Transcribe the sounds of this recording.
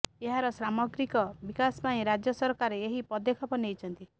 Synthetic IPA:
eɦaɾɔsɾamɔɡɾikɔbikaspaĩɾad͡ʒjɔsɔɾkaɾeeɦipɔd̪ekʰɔpɔniejt͡ʃʰɔnt̪i

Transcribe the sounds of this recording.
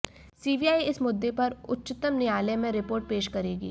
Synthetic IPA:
siːbiaːiɪsmʊd̪ːepɐɾʊ̰tːʃɪt̪əmnɪjaːlemẽɾɪpoːɾʈ̚peːʃkɐɾeːɡḭː

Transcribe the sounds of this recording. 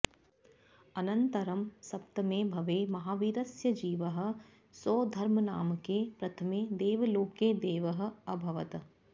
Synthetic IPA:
ɐnɐnt̪ɐɾɐmsɐpt̪ɐmẽbʱɐʋeːmɐɦaːʋiːɾɐsjɐd͡ʒiːʋəɦə̆ | soːd̪ʱɐɾmənaːmkepɾɐt̪ʰɐmed̪eːʋloːkeːd̪eːʋɐɦɐ̆ɐbʱɐʋɐt̪

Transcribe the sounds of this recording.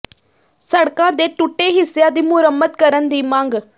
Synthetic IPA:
səɽkãd̪eːʈʊʈːeːɦɪsjaːd̪imʊɾəmːət̪kɐɾənd̪iːmãːŋɡ

